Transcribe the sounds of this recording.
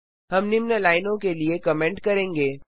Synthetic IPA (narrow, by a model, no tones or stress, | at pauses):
ɦɐmnimnəlaːɪnõkeliekɐmɛ̃ːɳʈkɐɾẽːŋɡeː